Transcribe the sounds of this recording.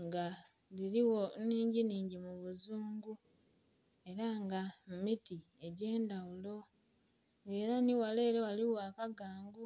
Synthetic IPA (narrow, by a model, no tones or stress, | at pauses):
ŋɡa | liɾiwo̞niːɲɟiniːɲɟimuβuzuːŋɡu | e̞ɾaŋɡamumiti | e̞ɟe̞ːndawulo̞ | ŋe̞ːɾaniwale̞ːɾewaliwaːkaɡaːŋɡu